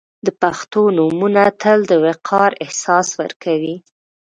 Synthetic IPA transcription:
d̪əpaxt̪onumunat̪ʰəld̪əweqʰɑɾɪhsɑswə̰ɾkʰawi

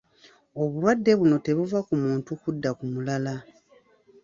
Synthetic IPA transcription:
o̞βulwadːe̞βuno̞te̞βuvakumuːntukudːakumulala

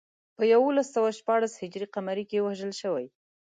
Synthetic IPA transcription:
pəjawolasːawaʃpɑɽashɪd͡ʒɾiqamaɾikewaʒəlʃəwaj

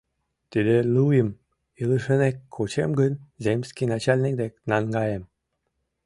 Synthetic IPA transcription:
t̪id̪elujəm | ilˠɨʂənekkʰːut͡ɕḛmɡənzemʲsʲkʲinat͡ɕalʲnʲik̚d̪eknɑŋɡɑjem

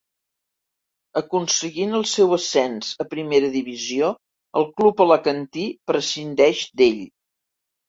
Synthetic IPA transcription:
əkunsəɣinəlˠsɛwəsɛnzəpɾimeɾəðiβizio | əlˠklupələkənt̪ipɾəsind̪ɛʒd̪eʎ

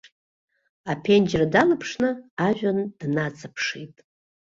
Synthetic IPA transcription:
apʰend͡ʒradalɨpʰʂnɨaʒᶣand̥nat͡sʰʼapʰʂitʼ

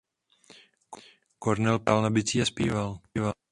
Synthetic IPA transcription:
koɾnɛlpalnabɪt͡siːaspiːvalːva

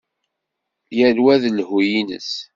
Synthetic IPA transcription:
jælwæðlhujinə̰s

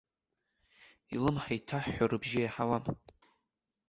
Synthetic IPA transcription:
ilɨmħajtʰaħːarɨbʒɪjaħawam

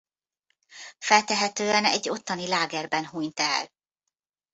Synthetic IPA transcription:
fɛlt̪ɛɦɛt̪øːɛnɛɟːo̞t̪ːɒnilaːɡɛrbɛnɦuɲt̪ɛ̰l

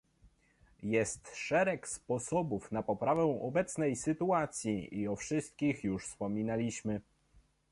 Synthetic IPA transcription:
jɛst̪ʂɛɾɛkspɔsɔbufnapɔpɾavɛ̃w̃ɔbɛt̪snɛjsɘt̪uat̪sʲjiiɔfʂɘst̪̚kʲixjuʂfspɔmʲinalʲiɕmɘ

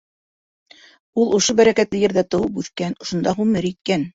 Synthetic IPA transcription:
ulˠŏʃobæɾækæt̪lɘjɘ̆ɾðæt̪ɤ̆wɤpʉθkænŏʃŏnd̪ɑʁʉmɘɾit̪̚kæn

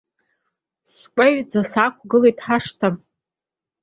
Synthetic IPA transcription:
skʷʼaɥd͡zasakʷʰʼɡɨlejtʰʼħaʂtʰam

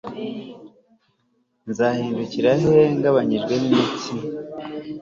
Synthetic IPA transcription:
nzahiːnduciɾaɦe̞ŋɡaβaɲiʒɡwe̞nimit͡si

